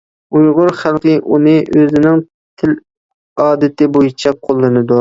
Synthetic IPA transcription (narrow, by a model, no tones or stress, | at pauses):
ujʁʊɾχælˠqɨʔunɨʔøzɪnɪŋ | t̪ʰɪl | ɑːd̪ɪt̪ʰɪbojit͡ʃʰɛqʰolˠːɨnɨd̪u